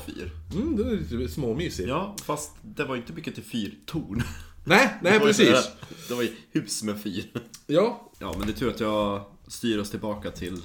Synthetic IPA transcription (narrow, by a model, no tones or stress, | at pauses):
fy̰ːɾm̩d̪ɛɛlit̪smoːmyːsɪjɑːfast̪d̪ɛvaɾɪnt̪əmʏkːət̪ʰɪlfyːɾt̪ʰuːɳnɛɪnɛɪɾɛsiːad̪ɛvajhʉ̟ːsmɛfyːɾjɑːjɑ̰ːmɛnd̪ɛt̪ɾuːɾat̪jɑ | st̪yːɾɔst̪ʰɪlbɑːkat̪ʰɪl